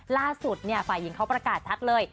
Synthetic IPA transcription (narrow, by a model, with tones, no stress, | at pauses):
laː˥˩su˨˩t̪̚ni˥˩ɐfa˧jːi˧ŋkʰa˦˥wpɾa˧kaː˨˩t̪̚t͡ɕʰa˦˥t̪̚lɤː˧j